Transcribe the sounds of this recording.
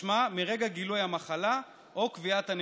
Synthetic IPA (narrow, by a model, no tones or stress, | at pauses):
mamiʁe̞ɡaɡilujamaχala | ʔokviat̪han